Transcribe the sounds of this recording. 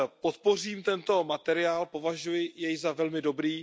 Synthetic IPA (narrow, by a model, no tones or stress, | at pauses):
pot̪po̞r̝iːmt̪ɛnt̪o̞mat̪ɛɾɪaːlpo̞vaʒujɪjɛjzavɛlmɪdo̞bɾiː